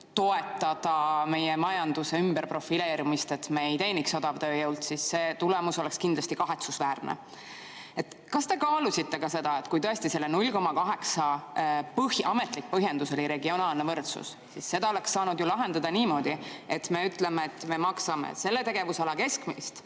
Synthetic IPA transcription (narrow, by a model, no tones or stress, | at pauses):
t̪o̞e̞t̪ːˑɑd̪̥ɑme̞jemɑjɑnd̪̥use̞ymbeɾpro̞fileːɾimist̪e̞t̪meejt̪e̞ːnikso̞d̪̥ɑvt̪øːjɤwlt̪sisːe̞ːt̪ulɛmuso̞le̞kskind̪lɑst̪ikɑɦe̞t̪susvæːrnḛ | e̞t̪ | kɑst̪e̞kɑːlusʲit̪ːe̞kɑse̞d̪̥ɑet̪kujt̪ɤest̪ise̞lːenulʲko̞mɑkɑɦe̞ksɑpɤhjʔɑme̞t̪ˑlik̚ːpɤɦjend̪̥uso̞liɾe̞ɡio̞nɑːlnevɤrt̪sṵs | sisːe̞d̪̥ɑole̞ksːɑːnud̪julɑɦe̞nd̪ɑd̪̥ɑniːmo̞d̪̥ie̞t̪me̞yt̪ˑle̞meet̪ːˑme̞mɑksɑmḛse̞lːe̞t̪e̞ɡ̥e̞vusɑlɑke̞skmist̪